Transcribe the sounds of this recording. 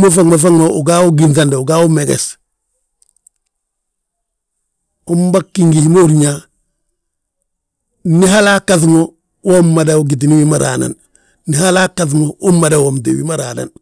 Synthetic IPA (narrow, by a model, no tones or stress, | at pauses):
mofaŋmafaŋmouɡawuɡins̬andauɡaumeɡḛs | umbakːiŋɡihimouɾɲa | niɦalakːaθmo | womːadauɡit̬iniwimaɾa̰na̰nː | ihalakaθ̬moomːadawomt̬ḛwḭmaɾaːna̰n